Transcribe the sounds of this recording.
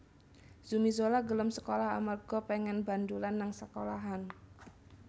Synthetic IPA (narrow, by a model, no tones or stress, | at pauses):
z̥umizolaɡələmsə̥kolaha̰marɡ̥ɔpɛŋɛnbandulanːaŋsəkolaɦan